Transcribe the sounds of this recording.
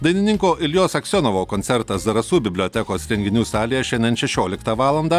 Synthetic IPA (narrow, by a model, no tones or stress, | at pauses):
d̪ɐɪnʲɪnʲɪŋkoːʔɪlʲjoːsɐksʲoːnɔʋoːkɔnʲsʲɛɾt̪ɐsd̪ɐɾɐsuːbʲɪbʲlʲɔːt̪ʲɛkoːsɾʲɛŋʲɡʲɪnʲuːsɑːlʲɪjɛʃʲɛɪnd̪ʲɛnʃʲɛʃʲoːlʲɪkt̪ɐʋɑːlˠɐnd̪ɐ